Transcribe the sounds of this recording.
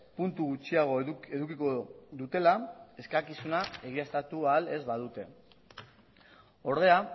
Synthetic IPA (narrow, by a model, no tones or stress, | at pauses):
punt̪uɣut͡ʃiaɣ̞o̞e̞ðukiko̞ðut̪e̞lae̞skakisunae̞ɣ̞iast̪at̪uale̞zβaðut̪e̞ | o̞ɾðe̞a